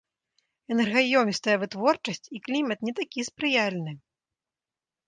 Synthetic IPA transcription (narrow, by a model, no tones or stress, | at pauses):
ɛnɛrɣajɔmʲist̪ɐjɐvɨt̪vɔrt͡ʂɐsʲt͡sʲiklʲimɐt̪nʲɛt̪akʲispɾɨjalʲnɨ